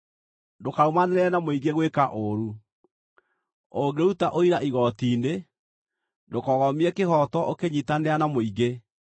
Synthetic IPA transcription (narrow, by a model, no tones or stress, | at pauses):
dokaɾomaneɾeɛnamoiɣɡeɣwekaʔoɾu | oɡeoutaʔoiɾaʔiɣɔtiːne | ndokɔɣɔmiɛkehɔtɔʔokeɲitaneanamoiɣe